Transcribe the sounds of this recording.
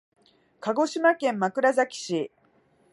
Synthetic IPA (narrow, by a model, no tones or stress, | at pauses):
kaɡo̞ɕimakẽ̞mːakɯ̟ɾazakʲi̥ɕi